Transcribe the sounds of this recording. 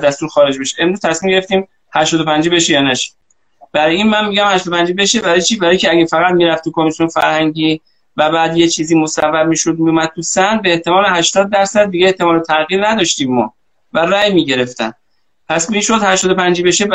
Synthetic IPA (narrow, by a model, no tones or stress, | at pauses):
d̪æst̪uːɾxɒːɾe̞d͡ʒbeʃeemɾuz̥t̪ʰæsmiːmɟeeft̪iːm | hæʃt̪ɔːd̪o̞pʰænd͡ʒibe̞ʃejɒːnæʃi̥ | b̥æɾiːnmænmiːɟæmhæʃtɔːd̪opʰænd͡ʒibe̞ʃebæɾɒjet͡ʃʰiːbæɾɒːjecʰeæɡæfæɣæt̪miːɾæft̪ʰuːkʰomisjonfæ̰ɾhæŋɟiː | væbæːd̪je̞t͡ʃʰiːziːmo̞sævːæb̚miːʃod̪̚miumæd̪̥̚t̪ʰusænbeːht̪emɒːleɦæʃt̪ɒːd̪̚ːæɾsæd̪ːiɡeeht̪e̞mɒːlet̪ʰæɣiːɾnæd̪ɒʃt̪iːmːɒ̰ː | væræːjmiːɟe̞ɾe̞ft̪æn | pʰæskuiːnʃod̪hæʃt̪ɔːd̪o̞pænd͡ʒibe̞ʃe